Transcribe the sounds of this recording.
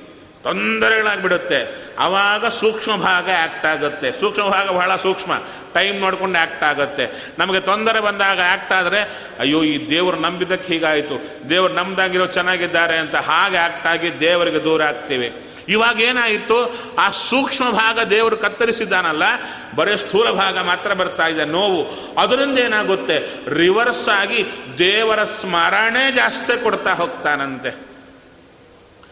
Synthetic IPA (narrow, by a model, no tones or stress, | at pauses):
t̪ond̪ɐɾɛɡɐɭaːɡbiɽut̪ːe̞ɐ̰ʋaːɡɐsuːkʂmɐbʱaːɡɐaːk̚ʈaːɡut̪ːe̞suːkʂmɐbʱaːɡɐbɐɦɭɐsuːkʂmɐ̰ | ʈɐjmnoːɽko̞ɳɖaːk̚ʈaːɡut̪ːe̞ | nɐmɐɡet̪ond̪ɐɾebɐnd̪aːɡɐaːk̚ʈaːd̪ɐɾe̞ | ɐjːoːiːd̪eːʋɐɾunɐmbid̪ɐkːeɦiːɡaːjt̪u | d̪eːʋɐɾunɐmd̪aːɡiɾoːd̪ut͡ʃɛnːaːɡid̪ːaːɾeɐnt̪ɐɦaːɡeaːk̚ʈaːɡid̪eːʋɐɾiɡe̞d̪uːɾɐaːɡ̚t̪iːʋi | iʋaːɡɐeːnaːjit̪ːu | aːsuːkʂmɐbʱaːɡɐd̪ɛːʋɐɾukɐt̪ːɐɾisid̪ːaːnɐlːɐ | bɐɾest̪ʰuːlɐbʱaːɡɐmaːt̪ɾɐbɐɾt̪aːjid̪enoːʋu | ɐd̪ɐɾind̪ɐeːnaːɡut̪ːe̞ɾiʋɐɾsaːɡid̪ɛːʋɐɾɐsmɐɾɐɳeːd͡ʒaːst̪ekɔɽt̪aːɦoːɡ̚t̪aːnɐnt̪e